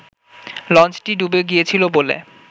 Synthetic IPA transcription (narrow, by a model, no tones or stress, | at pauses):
lɔnt͡ɕʈiɖubeɡijet͡ɕʰilobolḛ